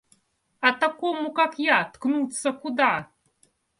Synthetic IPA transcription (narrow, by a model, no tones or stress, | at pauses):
at̪akɔmukakjat̪knut̪sɐkud̪a